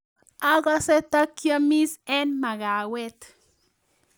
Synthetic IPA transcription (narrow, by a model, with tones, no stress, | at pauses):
a˦ɣa˦sɛ˦t̪a˦kja˦mi˦sɛ˦nma˨ɣa˨wɛ˦t̪